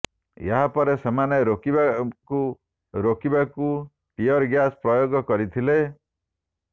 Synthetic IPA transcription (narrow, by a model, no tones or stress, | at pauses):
jaɦapɔɾesemaneɾokibaku | ɾokibaku | ʈiɔɾɡjaspɾɔjoɡɔkɔɾit̪ʰile